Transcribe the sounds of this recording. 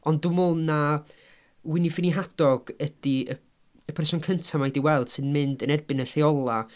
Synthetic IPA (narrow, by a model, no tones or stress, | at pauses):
ɔndʊmʊlˠna | wɪnifɪniɦad̥ɔɡ̥əd̥iə | əpʰɛrsɔnkʰəntʰamaɛdiwɛlˠd̥sɨnmɨndənɛrbɨnənr̥eɔlˠa